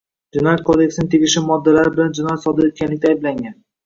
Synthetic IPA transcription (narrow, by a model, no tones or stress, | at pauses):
d͡ʒɪnɒjat̪̚kʰod̪e̞ksnɪŋt̪ʰeɡʲɪʃɪmɒd̪ːalaɾɪbɪland͡ʒɪnɒjat̪sɒd̪ɪɾet̪̚kʲanlɪk̚ʲt̪aːjblaŋɡʲan